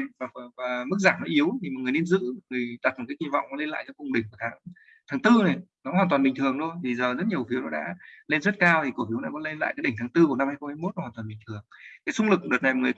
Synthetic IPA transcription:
vːvaː˨˩mɨ˦˥k̚zaː˧˩nnɔ˨˦ʔi˨˦əwt̪ʰi˨˩mɔ˨ŋɨ˨˩ne˧nzɨ̰˧˥mɔ˨˩ŋɨ˨˩əjɗa˨˩t̚mə˨˩kːaː˨˦ki˧˩va̰˧˨wŋ͡mkɔ˨˦le˧nla̰ː˧˨jkaː˨˦kʊ̰˧˨wŋ͡mɗï˩ŋ̟ka˨˩t̪ʰaː˨˦ŋ | t̪ʰaː˨˦ŋt̪ɨ˧na˨˩nɔ˨˦waː˨˩nt̪waː˨˩mɓi˨˩ŋ̟t̪ʰɨ˨˩əŋt̪o˧jt̪ʰi˨˩zəː˨˩zə˦˥t̚ɲi˨˩əwfi˨˦wnɔ˨˦ɗa̰ː˧˥le˧nzə˦˥t̚kaː˧wt̪ʰi˨˩ku˧˩fi˨˦wna̰ː˧˦kɔ˨˦le˧nla̰ː˧˨jaː˨˦ɗï˩ŋ̟t̪ʰaː˨˦ŋt̪ɨ˧ku˧˩na˧mhaː˧jxə˧ŋ͡mhaː˧˦jmo˦˥nɔ˨˦hwa˨˩t̪waː˨˩ɓï˨˩ŋ̟t̪ʰɨ˨˩əŋkaː˨˦jsʊ˧ŋ͡mlɨ˨˩k̚ɗɨ˨˩ət̚na˨˩jmɔ˨˩ŋɨ˨˩

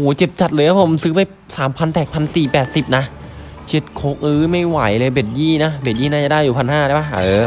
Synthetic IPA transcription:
hoː˩˦t͡ɕe˨˩p̚t͡ɕa˨˩t̪̚lɤː˧jkʰa˦˥pʰo˨˩˦msɯː˦˥pa˧j | saː˩˦mpʰa˧nt̪ʰɛː˨˩k̚pʰa˧nsiː˨˩pɛː˨˩t̪̚si˨˩p̚na˦˥ | t͡ɕʰe˨˦˥t̪̚kʰoː˦˥k̚ʔɯː˦˥ma˥˩jwa˩˦jlɤː˧jbe˨˩t̪̚jiː˥˩na˦˥be˨˩t̪̚jiː˥˩naː˥˩a˨˩daː˥˩jːuː˨˩pʰa˧nɦaː˥˩a˧˩baː˧˥˩

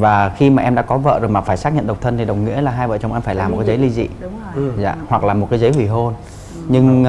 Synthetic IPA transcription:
vaː˨˩xi˧maː˨˩ʔɛ˧mɗa̰ː˧˥kɔ˨˦və̰ː˧˨zo˨˩jmaː˨˩faː˧˩jsaː˦˥k̚ɲə̰˧˨nɗə˨˩w̚k͡p̚t̪ʰə˧nt̪i˨˩ɗə˨˩wŋḭ˧˥əlaː˨˩ɦaː˧jvə̰ː˧˨t͡ɕɔ˧wŋ͡mʔɛ˧mfaː˧˩jlaː˨m̚˨˩kaː˨˦zə˨˦jli˧zḭ˧˨ | za̰ː˧˨hwa˨˩k̚laː˨˩mo˨˩t̚kaː˨˦zə˨˦jhwi˧˩ɦo˧n | ɲɨ˧ŋ

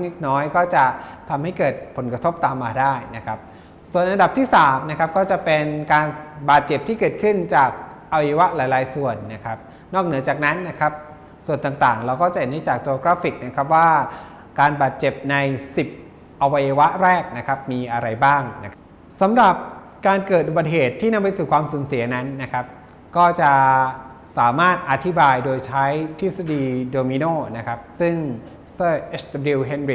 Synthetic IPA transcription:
ŋle˦˥k̪̚nɔː˦˥jkɔː˥˩t͡ɕa˨˩t̪ʰa˧mha˥˩jkɤː˨˩t̪̚pʰo˩˦nkɾa˧t̪ʰo˦˥p̚t̪aː˧mːaː˧daː˥˩jna˦˥kʰa˦˥p̚ | su˨˩ənʔa˧nda˨˩p̚t̪ʰiː˥˩saː˩˦mna˦˥kʰa˦˥p̚kɔː˥˩t͡ɕa˨˩pe˧nkaː˧nbaː˨˩t̪̚t͡ɕe˨˩p̚t̪ʰiː˥˩kɤː˨˩t̪̚kʰɯ˥˩nt͡ɕaː˨˩k̚ʔa˧wa˧ja˧wa˦˥ʔlaː˨˩˦jlaː˨˦jsu˨˩ənːa˦˥kʰa˦˥p̚ | nɔː˥˩k̚nɯ˩˦ɐt͡ɕaː˨˩k̚na˦˥nːa˦˥kʰa˦˥p̚ | su˨˩ənt̪aː˨˩ŋt̪aː˨˩ŋɾa˧wkɔː˥˩t͡ɕa˨he˨˩nda˦˥˩t͡ɕaː˨˩k̚t̪o˧oː˧kɾaː˦˥fi˨˩k̚na˦˥kʰa˦˥p̬̚waː˥˩ | kaː˧nbaː˨˩t̪̚t͡ɕe˨˩p̚na˧jsi˨˩p̚ | ʔa˧wa˧jːa˧wa˦˥ɾɛː˥˩k̚na˦˥kʰa˦˥p̚miː˧ʔa˧ɾa˧jbaː˥˩ŋna˦˥kʰ | sa˩˦mɾa˨˩p̚ | kaː˧nkɤː˨˩u˨˩ba˨˩t̪̚ɦeː˨˩t̪ʰːiː˥˩na˧mpa˧jsuː˨˩kwaː˧msuː˩˦nsi˨˩˦ɐna˦˥nːa˦˥kʰa˦˥p̚ | kɔː˥˩t͡ɕa˨˩ʔ | saː˩˦maː˥˩t̪̚ʔa˧t̪ʰi˦˥baː˧jdoː˧jt͡ɕʰa˦˥jt̪ʰi˦˥sa˧diː˧doː˧mi˧noː˥˩na˦˥kʰa˦˥p̚sɯ˥˩ŋ | sɤː˥˩ʔe˦˥sdɾi˧wɦe˧˩nɾi˨˩

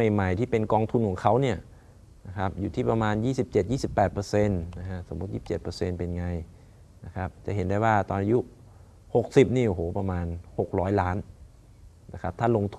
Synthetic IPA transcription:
ma˨˩jma˨˩jt̪ʰiː˥˩pe˧nkɔː˧ŋt̪ʰu˧nkʰːŋkʰa˦˥wni˥˩ɐ | na˦˥kʰa˦˥p̚juː˨˩iː˥˩pa˧maː˧njiː˥˩si˨˩p̚t͡ɕe˨˩t̪̚jiː˥˩si˨˩pːɛː˨˩t̪̚pɤː˧se˧nna˦˧kʰa˦˥so˩˦mːu˦t̪̚jiː˧˥˩p̚t͡ɕe˨˩t̪pɤː˧se˧npe˧nŋa˧j | na˦˥˩kʰa˦˥p̚t͡ɕa˨˩ɦe˩˦nda˥˩jwaː˥˩t̪ɔː˧nʔa˧ju˦˥ | ho˨˩k̚si˨˩p̚niː˥˩ʔo˨˩ɦhoː˨˦pa˧maː˧nho˨˩k̚ɾɔː˦˥jlaː˦˥n | na˦˧˩kʰa˦˥p̚t̪ʰa˥˩lo˧ŋt̪ʰ

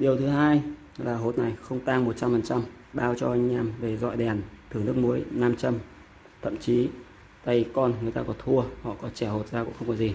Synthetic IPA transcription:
ɗi˨˩əwt̪ʰɨ˨˦ɦaː˧j | laː˨˩ɦo˨˦˥t̚na˨˩jxə˧wŋ͡mt̪aː˧ŋmo˨˩t̚t͡ɕa˧mfə˨˩nt͡ɕa˧mɓaː˧wt͡ɕɔ˧ʔa˧jŋ̟ɲaː˧mve˨˩zɔ̰˧˨jɗɛ˨˩nt̪ʰɨ˨˩əŋnɨ˦˥ək̚mu˨˦jnaː˧mt͡ɕə˧m | t̪ʰə̰˧˨mt͡ɕi˨˦ | t̪a˧˩jkɔ˧nŋɨ˨˩əjt̪aː˧kɔ˨˦t̪ʰu˧əhɔ̰˧˨kɔ˨˦t͡ɕɛ˧˩ho˨˩t̚zaː˧kṵ˧˥ŋxə˧ŋ͡mkɔ˨˦zi˨˩

